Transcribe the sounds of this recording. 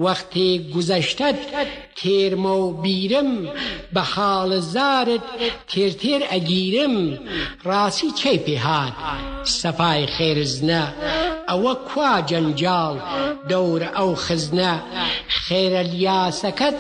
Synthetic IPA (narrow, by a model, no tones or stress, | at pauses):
wɐxt̪ʰeːɡuzɐʃtɐt̪t̪ʰeːɾmɐwbiːɾɨmbɐhaːlɐzaːɾɨt̪̚t̪ʰeːɾt̪ʰeːɾɐɡiːɾɨmraːsit͡ʃʰɐjpeɦaːt̪sɐfaːjxeːɾznɐː | wɐkʰwaːd͡ʒɐnd͡ʒaːld̪ɐwɾɐwxɪznɐxeːɾɐljaːsɐkʰɐt̪